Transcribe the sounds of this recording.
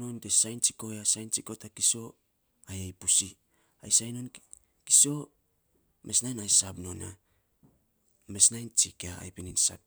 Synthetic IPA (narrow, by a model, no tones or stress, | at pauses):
ontesajnt͡ʃiko̞jasajnt͡ʃiko̞takiso̞ | ajajpusi | ajsajno̞n | ki̥so̞ | mʔe̞snajnajsapno̞na̰ | me̞snajnt͡ʃikaa̰jpininsa̰p̚